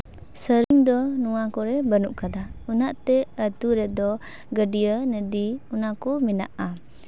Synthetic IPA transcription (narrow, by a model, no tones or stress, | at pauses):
səɾiŋd̪ɔnuwakɔɾɛbənuʔkad̪aunaʔt̪ɛət̪uɾɛd̪ɔ | ɡəɖijənədiunakɔmina̰ʔa